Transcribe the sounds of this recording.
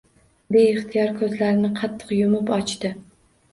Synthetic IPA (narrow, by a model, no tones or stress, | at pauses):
beɪχt̪ʰɪjɒɾkʰɵzlaɾɪnɪqʰɑt̪ʰːɨ̥qjʊmɪpɒt͡ʃt̪ɪ